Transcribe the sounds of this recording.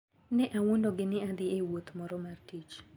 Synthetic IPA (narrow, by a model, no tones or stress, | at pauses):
nɛʔawondoɡɪnɪad̪ɪewot̪mɔɾɔmartit͡ʃ